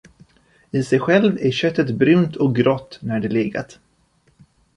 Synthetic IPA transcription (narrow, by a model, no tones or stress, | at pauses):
ɪsɛjɧɛlvæɾɕœt̪ːət̪bɾʉ̟ːnt̪ʰɔk̚ɡɾɔt̪ːnæɖɛlɪːɡa̰t̪